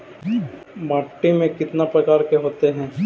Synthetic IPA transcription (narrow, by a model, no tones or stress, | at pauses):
maːʈːimẽkɪt̪napɾɐkaːɾkeɦoːt̪eɦɛ̃ː